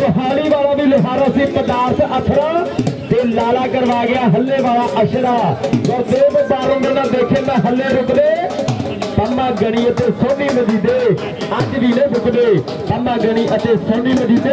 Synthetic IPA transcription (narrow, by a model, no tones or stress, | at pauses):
tʊɦaːɽiːʋaːlãːbiːlʊɦaːɾãːsĩːpəd̪aːɾsət̪ʰɽə̃ːt̪eːlaːlaːkəɾʋaːɡɪjaːɦəlːeːʋaːlaːʔəʃɽaːɡəɾd̪oːbəbaːɾõːdeːnãːd̪eːkʰẽːnd̪ãːɦəlːeːɾʊkd̪eː | t̪ənãːɡəɽ̃iːət̪eːsoːniːməd͡ʒ̪iːd̪eː | ət͡ʃʋiːnẽːbʊkɗ̪eː | t̪əmãːɡəɽ̃iːʔət̪eːsoːniːməd͡ʒ̪iːd̪eː